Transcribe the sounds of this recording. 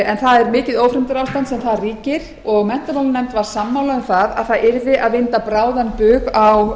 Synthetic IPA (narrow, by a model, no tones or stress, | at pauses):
ɛnθaðɛɾmɪːcɪðowfɾɪmt̪ʏɾawst̪ansɛmθaðriːcɪɾ | ɔɣmɛn̥t̪aɾowlnɛjmt̪vaɾ̥samːawlaʏmθaða̰ðθaðʔɪɾvɪʔaðvɪnt̪apɾaːwðanpʏːɣaw